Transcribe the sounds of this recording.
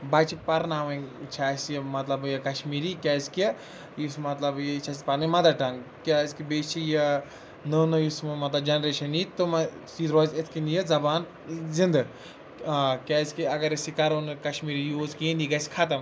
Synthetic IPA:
bat͡ʃʰipɐɾnaːʋɐ̃nt͡ʃʰaːsjɐmɐt̪lɐbjɐkɐʃmiːɾikʲaːski | jismɐt̪lɐbjt͡ʃʰaspɐɾnɐmɐd̪aʈɐn | kʲaskibeːt͡ʃt͡ʃʰijɐ | nənojusmmɐt̪lɐbd͡ʒɐnɾeːʃɐnit̪om | siːd̪ɾɔːzet̪ʰkinjɐzɐbaːn | zind̪ɨ | kʲaːiskiɐɡɐɾisikɐɾoːnkɐʃmiːɾijuzkeniɡɐskʰɐt̪ɐm

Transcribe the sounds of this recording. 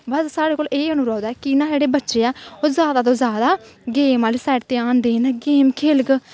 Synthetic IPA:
bəssaːɽeːkoːleːənũːɾaːd̪aːkɪnãːd͡ʒeːɽeːbətːʃeːɛːoːzjaːd̪aːt̪oːzjaːd̪aːɡeːmaːliːsɛːʈt̪eːaːnd̪eːnɛːɡeːmkʰeːlɡ

